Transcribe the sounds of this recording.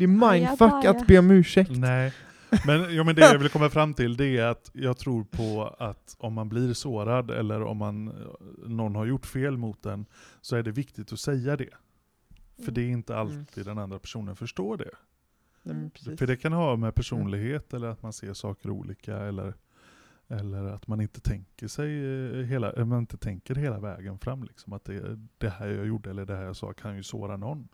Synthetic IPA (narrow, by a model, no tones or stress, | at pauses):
d̪̥ɛɛmajnd̪fakːat̪beːɔmʉ̟ːʂɛknɛː | mɛnjɑːmɛnd̪ɛjavɪlkʰɔmːafɾamːt̪ʰɪld̪ɛæɾat̪jɑːɡ̚t̪ʰɾuːɾpʰɔat̪ɔmːanbliːɾsoːɾad̪ɛ̰lːəɾɔ̰mːanː | ɔnːɦaɾjʊʈːfeːlmʊt̪̚d̪ɛnsɔæɖɛvɪkt̪ɪt̪ɔsɛjːad̪ɛ | fœɖɛɪnt̪əalt̪ʰiːd̪ːɛnand̪ɾapʰæ̥ʂuːnənfœʂʈoːɖɛ̰ | fəɖɛkʰanhɑːmɛpʰæʂuːnlɪɡheːt̪ɛlːəɾat̪mansḛːʂɑːkəɾṵːlḭːkaɛlːə̰ɾ | ɛlːəɾat̪manɪnt̪ə̥t̪ʰɛŋkəʂɛjɦeːla̰ʔmanɪnt̪ət̪ʰɛŋkəɾɦeːlavɛ̰ːɡənfɾamːlɪksɔmat̪̚d̪ɛ̰d̪̥ɛhæːɾjɑːjʊɖːəɛlːəɖɛhæːɾjɑsɑ̰ːkʰanjjɵso̰ːɾanɔnː